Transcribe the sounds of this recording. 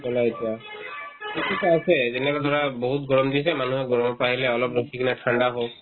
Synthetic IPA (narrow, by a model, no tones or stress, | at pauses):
bɔlaetia | itukaasɛzenɛakad̪ʱɔɹaboɦutɡɔɹɔmd̪isɛmanuɦɛɡɔɹɔmɔpaɦilɛɔlɔpɹokʰikɛnɛʈʰaɳɖaɦok̚